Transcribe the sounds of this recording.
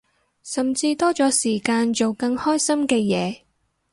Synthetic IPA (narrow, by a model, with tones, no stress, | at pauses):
sɐ˨mt͡siː˧t̪ɔː˥t͡sɔː˨˥siː˨˩kaː˧nt͡so˨wkɐ˧ŋhɔː˥jsɐ˥mkɛː˧jɛː˨˧